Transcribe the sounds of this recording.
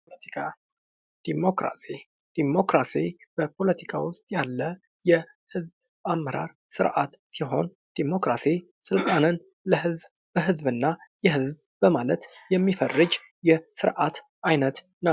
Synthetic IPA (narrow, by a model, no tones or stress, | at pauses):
ət̪ikʰa | d̪̥imokɾa̰si | d̪̥imo̞kɾasib̥əpʰo̞lət̪ʰi̥kʰa̰wʊst̪ʼjalːə | jɛ | hɨzb | amːəɾa̰ɾ | sɨɾʔat̪siɦo̞n | d̪̥imo̞kɾasi | sɨlt̪ʼanɨn | ləɦɨzb | b̥əɦɨzbɨnːajɛɦɨzb | bəmalət̪jɛmːifərːɨd͡ʒ | jɛsɨɾʔat̪ | ʔajnət̪ | nə